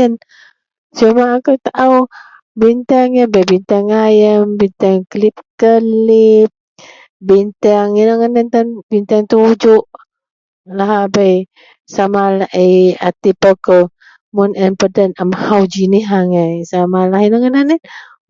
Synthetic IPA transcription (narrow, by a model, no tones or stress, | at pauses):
ən | t͡ʃumaːkəwt̪aʔaw | bint̪aŋjəbajbint̪aŋajəmbint̪aŋklip̚kəlip̚ | bint̪aŋinəŋanənt̪anbint̪aŋt̪ud͡ʒuʔ | laɦabaj | samalaʔeja̰t̪ipakə | munɛnpədənəmhawd͡ʒiniɦaŋajsamalaɦinəŋənanɛn